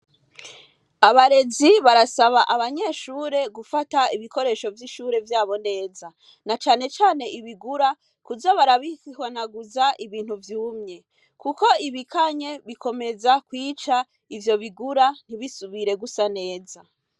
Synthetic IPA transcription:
aβaɾe̞ziβaɾasaβaʔaβaɲe̞ːʃuːɾe̞ɡufataiβiko̞ɾe̞ʃo̞vjiʃuːɾe̞vjaːβo̞ne̞ːza | nat͡ʃaːne̞t͡ʃaːne̞ʔiβiɡuɾa | kuzaβaɾaβisihwanaɡuzaʔiβiːn̥huvjuːmɲe̞ | kuko̞iβikaɲe̞βikʰo̞me̞zakwiːt͡ʃa | ivjo̞βiɡuɾan̥iβisuβiɾe̞ɡusane̞ːza

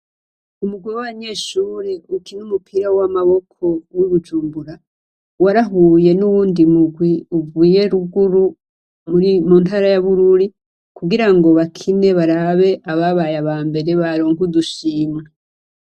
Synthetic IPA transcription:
umuɡwiwaβaɲe̞ːʃuːɾeukinumupʰiɾawamaβo̞kʰo̞wwiβud͡ʒuːmbuɾa | waɾaɦuje̞nuβuːndimuɡwiuvuːje̞ɾuɡuɾu | muɾimuːntaːɾajaβuɾuɾi | kuɡiɾaŋɡo̞βakʰine̞βaɾaβe̞ʔaβaβajaβaːmbe̞ɾe̞βaɾoːŋɡuduʃiːmŋa

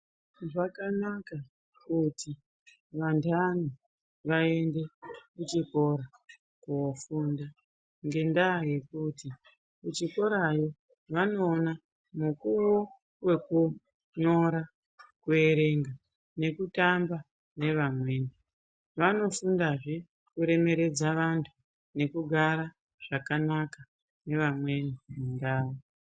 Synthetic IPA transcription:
ʐakanaka | kutʰi | ʋantʰano | ʋae̞nde̞kut͡ʃiko̞ɾa | kuofunda | ŋɡe̞ndaje̞kuti | kut͡ʃiko̞ɾajo̞ | ʋano̞ːna | mukuwo | we̞ku | ɲo̞ɾa | kue̞ɾe̞ŋɡa | ne̞kutamba | ne̞ʋamwe̞ːni | ʋano̞fundaʐi | kuɾe̞me̞ɾe̞d͡zaʋantʰu̥ | ne̞kuɡʱaɾa | ʐ̥akanaka | ne̞ʋamwe̞nimundaːwo

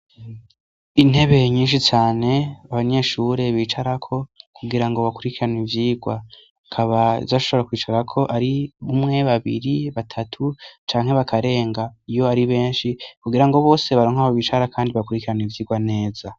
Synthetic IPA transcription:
in̥he̞βe̞ɲiːnʃit͡ʃaːne̞aβaɲe̞ʃuːɾe̞βiːt͡ʃaɾakʰo̞kuɡiɾaŋɡo̞βakuɾikiɾanivjiːɡwa | kʰaβazaʃoβoɾakwiːt͡ʃaɾakʰo̞ʔaɾiβumŋe̞βaβḭɾiβatʰatʰut͡ʃaːŋhe̞βakʰaɾe̞ːŋɡaijo̞aɾiβe̞ːnʃikuɡiɾaŋɡo̞βo̞ːse̞βaɾoːŋhaβoβiːt͡ʃaɾakʰaːndiβakuɾikiɾanivjiːɡwane̞ːz̥a

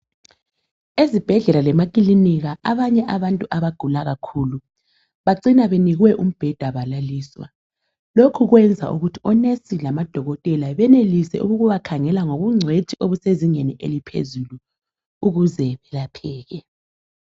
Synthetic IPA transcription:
ezib̥ʱɛɮɛlalɛmakʼiliniɣaʔaβaɲɛʔaβantʼuʔaβaɡ̥ʱulaɣakʰuːlu | βaǀinaβeniɣwɛʔum̩b̥ʱɛd̥ʱaβalaliːswa̰ | lokʰuɣwɛnd͡zʱa̰ʔṵɣutʰiɔnesilamad̥ʱɔɣɔtʼɛlaβɛnelisɛʔuɣuɣuβakʰaŋɛlaŋoβuŋ͡ǀʱetʰʼiʔoβuseziɲeniʔḛlipʰḛzulu | uɣuzɛβɛlapʰɛːɣɛ

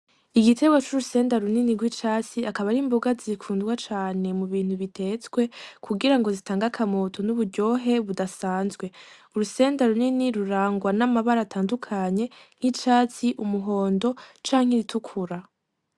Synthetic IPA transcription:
iɡitʰe̞ɡwot͡ʃuɾuse̞ːndaɾuniniɡwit͡ʃaːt͡siakaβaɾimbuɡazikʰuːndɡwat͡ʃaːne̞muβiːn̥huβitʰe̞t͡sɡwe̞kʰuɡiɾaŋɡo̞zitaːŋɡakʰamotʰo̞nuβuɾɟo̞ɦe̞βudasaːnzɡwe̞uɾuse̞ːndaɾuniniɾuɾaːŋɡwanamaβaɾatʰaːndukʰaɲe̞ŋ̥hit͡ʃaːt͡siʔumuɦo̞ːndo̞t͡ʃaːŋ̥heɾitʰukʰuɾa

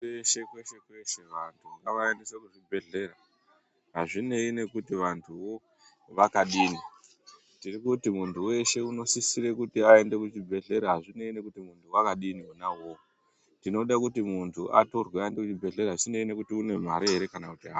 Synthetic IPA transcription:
eʃe̞kweʃe̞kwe̞ʃe̞ʋantʰuakaʋaendisakuʐibʱe̞ɮe̞ɾa | ɦaʐine̞ine̞kutiʋantʰuʋo̞ | ʋakaɗiːni | tirikutimuntʰuwe̞ʃe̞uno̞sisiɾekutiae̞nde̞kut͡ʃibʱe̞ɮe̞ɾaɦaʐine̞ine̞kutimuntʰuwakaɗiniunawo̞ | tino̞ɗakutimuntʰuʔa̰to̞rweaendekut͡ʃibʱe̞ɮe̞ɾaat͡ʃine̞ine̞kutiune̞m̤aɾiɦeɾe̞kanakutiɦa

